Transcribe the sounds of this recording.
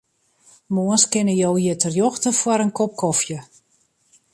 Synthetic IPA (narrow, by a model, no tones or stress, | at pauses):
moənskɪnəjowjətərjɔxtəfwɔɾənkɔp̚kɔfjə